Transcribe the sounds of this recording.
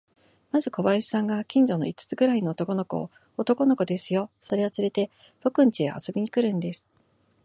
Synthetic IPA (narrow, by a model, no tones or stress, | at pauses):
mazɨko̞βaiɕi̥sãŋɡakʲĩɲ̟d͡ʑo̞no̞̰it͡sɨ̥t͡sɨɡɯ̟ɾaino̞ːt̪o̞ko̞no̞ko̞̰ | ot̪o̞ko̞no̞ko̞d̪e̞sɨjo̞so̞ɾe̞ot͡sɨɾe̞t̪e̞ | b̥o̞kɯ̟̃ɲ̟t͡ɕiḛa̰so̞bʲiɲ̟ikɯ̟ɾɯ̟̃nd̪e̞sɨ̥